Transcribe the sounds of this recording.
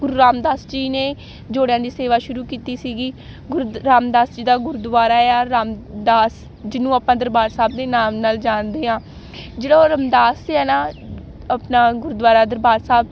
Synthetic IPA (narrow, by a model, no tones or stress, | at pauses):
ɡʊɾuːɾaːmd̪aːsd͡ʒiːneː | d͡ʒoːɽejãːd̪iːseːʋaːʃʊɾuːkiːt̪iːsiːɡiː | ɡʊɾɾaːmd̪aːsd͡ʒiːd̪aːɡʊɾud̪ʋaːɾaːeaːɾaːmd̪aːs | d͡ʒɪnũːaːpãːd̪əɾbaːɾsaːb̚d̪eːnaːmnaːld͡ʒaːnd̪eːãː | d͡ʒeːɽaɾəmd̪aːsɛːnaː | aːpnaːɡʊɾd̪ʋaːɾaːd̪əɾbaːɾsaːb̚